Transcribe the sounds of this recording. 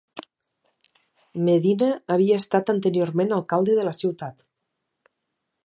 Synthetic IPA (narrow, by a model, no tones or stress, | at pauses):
meðinaːβiaest̪at̪ənt̪əɾjoɾmenalˠkalˠd̪eðələsiwt̪at̪